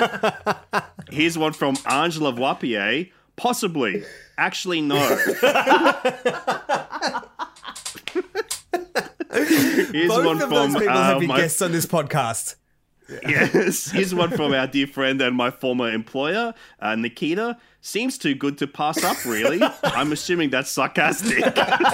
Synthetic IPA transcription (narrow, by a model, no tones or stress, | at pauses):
hɪzwʌ̃nfɹʌ̃mʔɑɹnd͡ʒəl̩ˠʌvwɑpieɪ | pʰɑsəblḭʔæk̚t͡ʃʉl̩ˠinoʊ | hɪɹzwʌ̃nfɹʌ̃mmaɪɡɛstsn̩ðɪspʰɔd̚kʰæst | jɛshɪzwʌ̃nfɹʌ̃maʊədɪɹfɹɛ̃ndɨ̃nmaɪfɔɹmə˞ɨ̃mpʰl̥ɔɪə˞ʔʌnɨkʰiɾə | sĩmz̥tʰʉɡʊd̚tʰɨpʰæsʌpɹɪllˠiãɪ̃mɨsjʉ̃mɪ̃ŋðætsɑɹkʰæstɪk